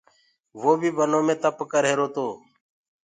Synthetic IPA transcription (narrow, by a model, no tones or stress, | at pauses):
ʋoːbʱiːbʱənoːmẽːt̪əpkəɾɦeːɾoːt̪oː